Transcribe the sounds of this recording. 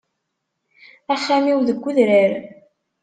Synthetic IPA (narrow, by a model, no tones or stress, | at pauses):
æχːamiwðəɡʷːʊðɾəɾ